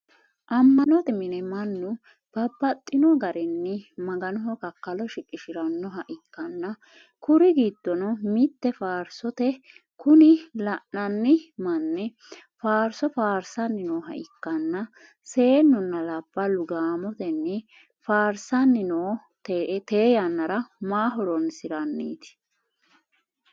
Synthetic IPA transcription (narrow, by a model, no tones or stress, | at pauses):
ʔɐmːɐnɔt̪ɛmɪnɛmɐnːʊ | b̥ɐbːɐt̪ʼːɪnɔɡɐɾɛnːɪmɐɡɐnɔɦɔkɐkːɐlɔʃɪkʼːɪʃɪɾɐnːɔɦɐʔɪkːɐnːɐ | kʊɾɪɡiːd̪̥ːɔnɔmɪt̪ːɛfaːɾsɔt̪ɛ | kʊnɪlɐʔnɐnːɪmɐnːɛ | faːɾsɔfaːɾsɐnːɪnoːɦɐ̰ʔɪkːɐnːɐ | se̞ːnːɔnːɐlɐb̥ːɐlʊɡaːmɔt̪ɛnːɪ | faːɾsɐnːɪnoː | t̪t̪e̞ːjɐnːɐɾɐmaːɦɔɾɔnsɪɾɐnːḭːt̪ɪ̥